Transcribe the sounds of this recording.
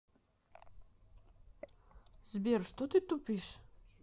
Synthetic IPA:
zbɛɾʃt̪ɔt̪it̪upiʃ

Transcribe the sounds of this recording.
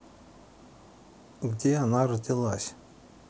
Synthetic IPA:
ɡdʲeanaɾɔd̪ʲilˠasʲ

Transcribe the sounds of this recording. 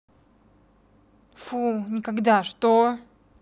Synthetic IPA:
funʲɪkaɡd̪aʂt̪o

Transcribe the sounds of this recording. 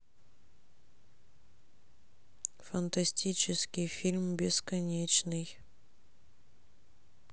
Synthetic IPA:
fɐnt̪ɐsʲtʲit͡ɕɪskʲɪjfʲilʲmbʲɪskɐnʲet͡ɕnɨj

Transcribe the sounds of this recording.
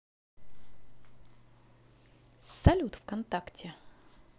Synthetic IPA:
sɐlʲut̪fkɐnt̪aktʲɪ

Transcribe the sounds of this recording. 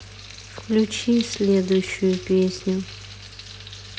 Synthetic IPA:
fklʲut͡ɕisʲlʲed̪ʊjʊɕːʊjʊpʲesʲnʲʊ

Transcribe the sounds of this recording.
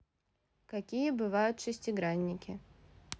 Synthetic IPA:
kɐkʲijəbɨvajʊt̪ʂɨsʲtʲɪɡɾanʲːɪkʲɪ

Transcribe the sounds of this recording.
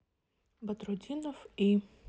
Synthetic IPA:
bɐt̪ɾʊdʲinɔfi

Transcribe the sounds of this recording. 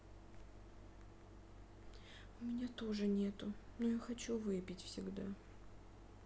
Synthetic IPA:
ʊmʲɪnʲat̪o̞ʐɨnʲe̞t̪ʊnojaxɐt͡ɕuvɨpʲɪtʲfsʲɪɡd̪a

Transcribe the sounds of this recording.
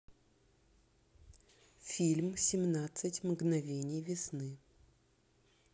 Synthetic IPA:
fʲilʲmsʲɪmnat̪sɨtʲmɡnɐvʲenʲɪjvʲɪsnɨ

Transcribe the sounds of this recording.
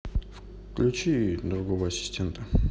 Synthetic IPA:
f | klʲut͡ʃid̪ɾuɡovəɐsʲɪ̥sʲtʲe̞nt̪ʰə

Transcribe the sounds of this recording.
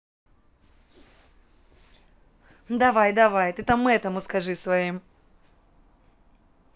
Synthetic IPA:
d̪ɐvajd̪ɐvajt̪ɨt̪amːɨɛt̪əmʊskɐʐɨsvɐim

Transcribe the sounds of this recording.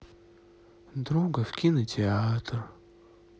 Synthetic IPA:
d̪ɾuɡəfkʲinətʲɪat̪r

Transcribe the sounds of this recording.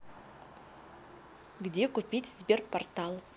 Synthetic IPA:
ɡʲd̪ekʰʊpʲit̪ʲzbʲerpʰort̪ɑlˠ

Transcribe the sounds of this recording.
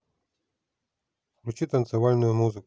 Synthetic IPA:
klʲut͡ɕit̪ənt̪sɨvalʲnʊjʊmuzɨk

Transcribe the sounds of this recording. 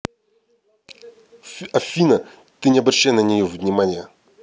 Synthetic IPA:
ɐfʲinɐ | t̪ɨnʲɪɐbɾɐɕːajnənʲɪjovnʲɪmanʲɪjə

